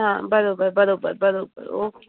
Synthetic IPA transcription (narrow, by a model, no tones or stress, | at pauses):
ɦãbɐɾoːbəɾbɐɾoːbə̰ɾbəɾoːbə̰ɾoːk